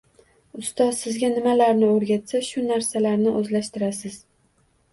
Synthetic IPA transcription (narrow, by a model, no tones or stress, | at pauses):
ʊst̪ɒzsɪzɡʲanɪmalaɾnɪoɾɡʲat̪saʃʊnaɾsalaɾnɪʔɵzlaʃt̪ɪɾasɪz̥